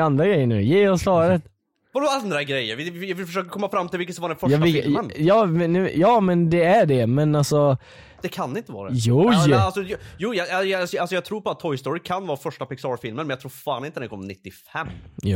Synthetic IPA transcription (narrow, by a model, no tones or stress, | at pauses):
and̪ɾaɡɾɛjːəɳʉ̰ːjeːɔsfɑːɾət̪ | ɔdand̪ɾaɡɾɛjːəɾvɪvɪɪffœʂøːkəɾkʰɔmːafɾamt̪ɪlɪkət̪sɔmvaɖɛnfœɑɪənjɑːmɛʉjɑːmɛnd̪ɛæɖɛmɛnalsɔ | d̪̥ɛkʰand̪ɪnt̪əvɑ̰ːɾadɛjualsɔjjuːjɑajsɔjalsɔjɑɡ̚t̪ʰɾuːɾpɔat̪ʰːɔjst̪oɾɪkʰanvɑːfœʂʈapɪksɑːɾfɪlmənmɛjaɡt̪ʰɾuːɾfaːnɪnt̪əd̪ɛnkɔmnɪt̪ːɪfɛmːj̰